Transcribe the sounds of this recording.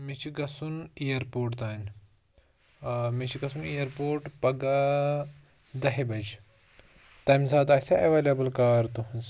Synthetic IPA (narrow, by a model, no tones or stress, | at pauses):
mit͡ʃʰiɡɐsunijɐɾpoːɾʈt̪aːn | mit͡ʃʰiɡɐsunijɐɾpoːɾʈpɐɡa | d̪ɐɦibɐd͡ʒ | t̪ɐjmsaːt̪asʲaɐʋeːlebɐlkaːɾt̪uɦɐnz